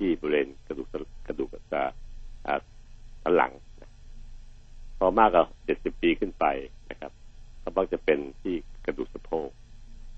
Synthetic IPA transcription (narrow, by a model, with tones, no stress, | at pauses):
t̪ʰiː˥˩bɔː˧leː˧nka˧du˨˩a˧ka˧duː˨˩ksa˧˩ʔaː˨˩sʰaː˦nla̰˩˦ŋna˧ | pʰɔː˧maː˥˩kːa˧˩ht͡ɕe˨˩t̪̚si˨˩pːiː˧kʰɯ˥˩npa˧jna˦˥kʰa˦p̚kʰa˧˩mbaː˧˥˩t͡ɕa˧˩pe˧nt̪ʰiː˥˩ka˧duː˨˩k̚sa˧pʰoː˥˩k̚